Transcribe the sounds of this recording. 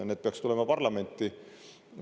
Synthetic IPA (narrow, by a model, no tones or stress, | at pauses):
ned̪̥̚peɑkst̪ule̞mɑpɑrlɑme̞nʲt̪ːˑi